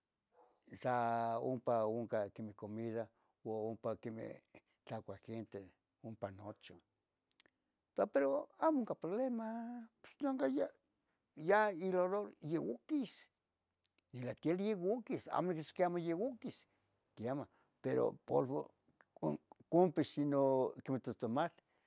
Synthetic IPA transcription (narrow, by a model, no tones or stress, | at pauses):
sao̰mpaoŋkakemekomiða | oompakemḛ | t͡ɬakʷaxent̪e | ompanot͡ʃo | t̪apeɾoamouŋkapɾoβlemapo̥snoŋkaja | jailoɾoɾjewukis | nilat̪jeljewukisa̰monikiskiamojewukis | kiama | peɾo̰polβo̰ | kompiʃinokemet̪ost̪omat̪